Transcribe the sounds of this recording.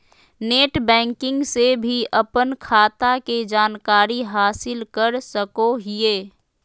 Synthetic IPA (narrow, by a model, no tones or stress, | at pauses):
neːʈbɛ̃ːŋkɪ̃ŋɡsebʱiʔɐpənkʰaːt̪aked͡ʒaːnkaːɾiɦaːsɪlkəɾsəkoɦɪeː